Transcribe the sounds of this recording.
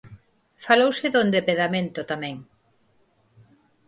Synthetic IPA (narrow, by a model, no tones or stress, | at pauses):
falowsɪðond̪epeðamẽnt̪ʊt̪amɛ̃ŋ